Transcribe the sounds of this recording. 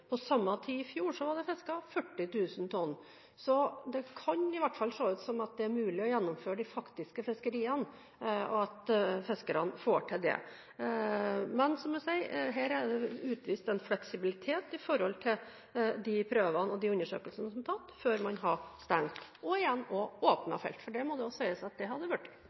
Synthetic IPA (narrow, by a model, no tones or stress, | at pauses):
pʰɔsɑmːɑt̪ʰiːɪfjuːʂɔʋɑɖɛfɛskɑfœʈːɪt̪ʉːsnt̪ʰɔnː | sɔd̪ɛkʰɑɲɪʋæʈːfɑlːʂoːʉːt̪sɔmɑt̪̚d̪ɛæɾmʉːlɪɔjɛnːɔmføːɾəɖ̪ɪfɑkt̪ɪskəfɛskəɾiːən | ɔ̰ɑt̪fɛskəɾɑnfoːʈʰɪld̪ɛ̰ | mɛnsɔmd̪ɛsæɪɦæːɾæɖɛʉːt̪ʋiːst̪ɛnflɛksɪbɪlɪt̪ʰeːt̪ɪfɔɾhɔlt̪ʰɪl | d̪ipʰɾøːʋənɔd̪iʉnːəʂø̰ːkəlsənəsɔmt̪ʰɑt̪føːɾmɑnɦɑst̪æŋt̪ɔɪjɛnːɔoːpnɑ̰fɛ̰lt̪fɔɖɛmɔd̪ɛɔsɔæɪəsɑt̪̚d̪ɛɦɑd̪ːəʋʉʈː